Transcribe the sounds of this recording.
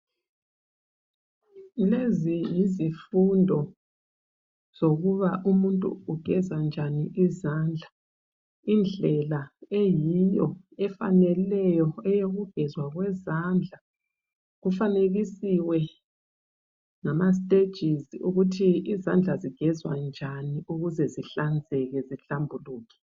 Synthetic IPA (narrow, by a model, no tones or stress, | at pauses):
lezijizifundʱɔ | z̥oɣuβaʔumuntʼṵuɡ̥ʱɛzand͡ʒʱaniʔizaːnd͡ɮʱa | ind͡ɮʱɛlaejijɔ | ɛfa̰nɛllɛjɔɛjoɣuɡ̥ʱɛzwaɣwɛzaːnd͡ɮʱa | ɣufaneɣisiwɛ | ŋamas̬tʼe̥ʒ̥ʱiziuɣutʰiizand͡ɮʱaziɡ̥ʱɛzwand͡ʒʱaniuɣuzɛziɬand͡zʱɛɣɛziɬambʱuluːkʰɛ̥